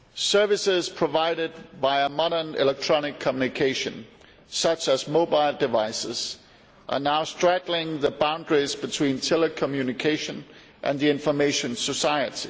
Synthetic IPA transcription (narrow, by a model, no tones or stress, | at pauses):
sɜ˞vɨsɪz̥pʰɹ̥əvaɪɾɪd̚baɪəmɑɾə˞nɪ̰lɛk̚tʰɹ̥ɑnɪkʰːəmjunɨkʰeɪʃɨ̰̃n | sʌt͡ʃəzmoʊbaɪlˠdɨvaɪsɪz̥ | ʔə̰˞naʊstɹ̥æɡl̩ˠɪ̃ŋðəbãʊ̃ndɹizbɨtʰw̥ĩntʰɛləkʰəmjʉnɨkʰeɪʃɨ̃n | ʔɨ̰̃nðiɪ̃ɱfəmeɪʃɨ̃nsəsaɪɨɾi